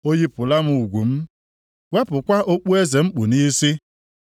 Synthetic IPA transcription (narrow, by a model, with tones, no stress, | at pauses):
o˦ɲi˦pʊ˨la˦m̩˦˨u˨ɡʷu˨m̩˦ | we˦pʊ˨kʷa˦ʔo˦k͡pu˦e˦ze˨ŋ͡m̩˦k͡pu˨ni˦si˦